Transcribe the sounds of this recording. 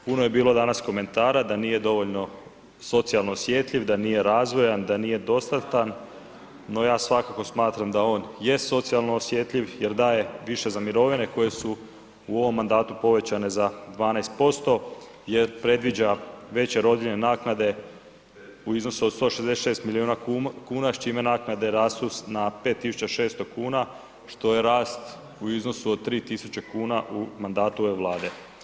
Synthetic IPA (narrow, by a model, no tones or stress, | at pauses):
punoje̞biːlˠo̞d̪anasko̞me̞nt̪aːɾad̪anije̞d̪o̞ʋo̞ʎno̞ | so̞t̪sialˠnoːsje̞t̪ʎʲiʋd̪aniːje̞ɾaːzʋo̞jand̪anije̞d̪o̞st̪at̪an | no̞jaːsʋakako̞smaːt̪ɾamd̪ao̞ːnjeso̞t̪sialˠnoːsjet̪ʎiʋjeɾd̪aːje̞ʋiʃe̞zamiɾo̞ʋine̞ko̞je̞su | uo̞ʋo̞mːand̪aːt̪upo̞ʋe̞t͡ɕane̞zad̪ʋaːnajst̪̚po̞st̪o̞ | jeɾpɾe̞d̪ʋid͡ʑaʋe̞t͡ɕe̞ɾo̞d̪jilnenaːknad̪e̞ | uizno̞suod̪st̪o̞ʃezd̪eseʃe̞ːst̪miliuːnakuːnat͡ʃime̞naːknad̪e̞ɾaːst̪usnapet̪ːisu̥t͡ɕaʃe̞ːst̪o̞kuːna | ʃt̪o̞je̞ɾaːst̪ | uizno̞suod̪̚t̪ːɾiːt̪isut͡ɕekuːnaʔumand̪aːt̪uoʋe̞ʋlˠaːd̪e̞